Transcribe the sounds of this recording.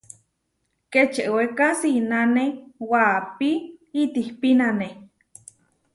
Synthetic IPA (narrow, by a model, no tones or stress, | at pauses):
ket͡ʃeʔwekasinanewapiit̪ihpinane